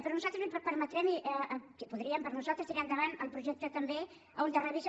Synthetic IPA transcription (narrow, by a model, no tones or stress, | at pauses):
pəɾɔnuzalt̪ɾəzpəɾmət̪ɾɛmiʔəkepuðɾiəmpəɾnuzalˠt̪ɾəsiɾɛmd̪əβanəlˠpɾuʒɛk̚t̪ət̪əmbe | und̪ərəβis